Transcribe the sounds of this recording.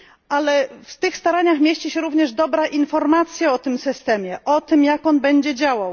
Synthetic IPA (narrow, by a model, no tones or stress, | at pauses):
alɛft̪ɘxst̪aɾaɲaxmʲjeɕt͡ɕiɕɛɾuvɲɛʐd̪ɔbɾaʔinfɔɾmat̪sʲjaɔt̪ɘmsɘst̪ɛmʲjɛʔɔt̪ɘmjakɔnbɛɲd͡ʑɛd͡ʑawaw